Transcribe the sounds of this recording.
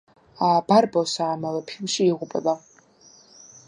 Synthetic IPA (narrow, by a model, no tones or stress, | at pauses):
abarbawsaʕːmalapʰɪmʃiiʁʷʊpʼa̰la